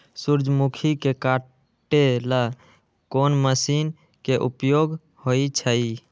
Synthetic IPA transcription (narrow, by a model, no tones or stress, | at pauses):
suɾd͡ʒmukʰikeka | ʈːelə | konməsin | keʔṵpjoɡ | hoit͡ʃʰəi